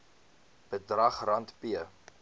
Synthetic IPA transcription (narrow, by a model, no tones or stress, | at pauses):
b̥ədrɐχrɐntpiə